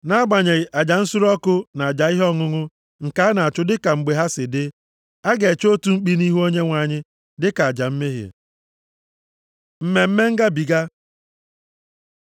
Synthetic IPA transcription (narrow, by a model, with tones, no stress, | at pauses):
na˦a˦ɡ͡ba˨ɲe˨a˨d͡ʒa˨n̩˦sʊ˦ɾɔ˦kʊ˦na˨a˨d͡ʒa˨i˦ɦɔ˦ŋʊ˦ŋʊ˦ | ŋ̩˨ka˦na˨a˨t͡ʃʊ˦dɪ˦ka˨ŋ͡m̩˨ɡ͡be˨ɦa˦sɪ˨dɪ˦ | a˦ɡe˨t͡ʃo˦tu˦ŋ͡m̩˦k͡pi˦ni˦ɦu˦o˦ɲe˦ŋʷa˨ɲɪ˦ | dɪ˦ka˨a˨d͡ʒa˨m̩˦me˦ɦḛ˨ | m̩˦me˨m̩˦me˦ŋ̩˦ɡa˦bi˨ɡa˦